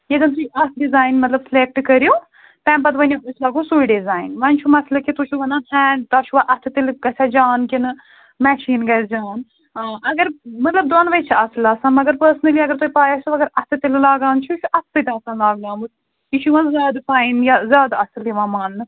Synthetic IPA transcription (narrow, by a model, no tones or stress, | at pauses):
jed̪ɐnt̪ʰuʔɐt̪ʰɖizaːjnmɐt̪lɐbsleːk̚ʈkɐɾjoː | t̪ɛ̃ːmpɐt̪ʋɐnʲiuslaːɡosuiɖizaːinʋɐnt͡ʃʰumɐt̪ʰlɐkit̪ut͡ʃʰuʋɐnaːnhɛːɳɖt̪aːt͡ʃʰuʋaʔɐt̪ʰɨt̪ilɡɐsʲad͡ʒaːnkinɨ | mɛːʃiːnɡɐsd͡ʒaːn | ɐɡɐɾmɐt̪lɐb̚d̪ɐːnʋɐt͡ʃʰiɐslaːsɐmɐɡɐɾpəːɾsnɐliɐɡɐɾt̪upaːjasuɐɡɐɾɐt̪ʰɨt̪illaːɡaːnt͡ʃʰut͡ʃʰuʔɐt̪ʰsɐt̪ʲaːsãːnlaːɡlãːmut̪ | iʃʰuʋɐnzʲjaːd̪faːinjazʲjaːd̪ɐsliʋãːmaːnːɨ